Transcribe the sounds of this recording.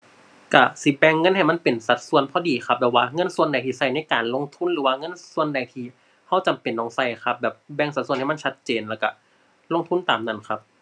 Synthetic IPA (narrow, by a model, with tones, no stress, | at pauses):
ka˧˩si˧˦bɛː˧˩ŋːɤ˧˥˨nha˨˩jma˥˨npe˨˩nsa˨˧˦t̪̚su˧ə˨npʰɔː˧˥diː˨˩xʰa˦˥p̚bɛː˧˩waː˧ŋɤ˧˥˨nsu˧˨ənda˨˩jt̪ʰiː˧˩sa˧˩jna˧˥˨jkaː˨nlo˧˥˨ŋt̪ʰu˧˥˨nɾɯː˨˦waː˧ŋɤ˧˥˨nsu˧ənda˨jt̪ʰiː˧˩ | ha˧˥˩wt͡ɕa˨mpe˨nːɔː˧˩ŋsa˧˩jkʰa˧˥p̚bɛː˨˩p̚bɛː˧˩ŋsa˨˩t̪̚snha˧˩m˧˥˨nt͡ɕʰa˦˥t̪̚t͡ɕeː˨nlɛː˧˩wka˧˩ | lo˧˥˨ŋt̪ʰu˧˥˨nt̪aː˨˩mna˧˩˨nkʰa˧˥p̚